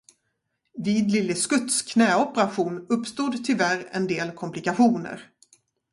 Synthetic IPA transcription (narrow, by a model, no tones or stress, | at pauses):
viːd̪lɪlːəskɵt̪skʰnɛːɔpəɾaɧuːnɵpːst̪uːd̪t̪ʰʏlvæɾɛ̰nd̪eːlkʰɔmplɪkaɧuːnə̰ɾ